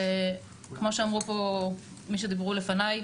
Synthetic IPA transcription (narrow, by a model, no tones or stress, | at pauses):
e | kmo̞ʃeamʁupo̞ | miʃ̬ed̪ibʁule̞fanaj